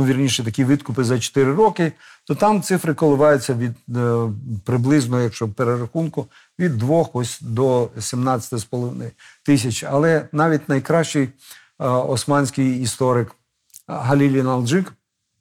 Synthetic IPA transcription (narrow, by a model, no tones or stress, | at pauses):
ʊʋʲirnʲiʃɛt̪ɐkʲiʋɪt̪kʊpɪzɐt͡ʃɔ̥t̪ɪɾɪɾɔkɪ | t̪ɔt̪ɑmt̪sɪfɾɪkɔlˠɪʋɑjʊt͡sʲːɐʋʲid̪ | pɾɪblˠɪznɔɦɔjɐkʃt͡ʃɔpeɾeɾɐxunkʊ | ʋʲid̪ːʋɔxɔsʲd̪ɔsʲimnɑt͡sʲɐt̪ɐɔspɔlˠɔʋɪnɪt̪ɪsʲɐt͡ʃɐlˠɛnɑʋʲitʲnɐjkɾɑʃt͡ʃɪj | ɔsmɑnʲsʲkɪjist̪ɔɾɪk | ɦɐlʲilʲinɐlˠd͡ʒɪk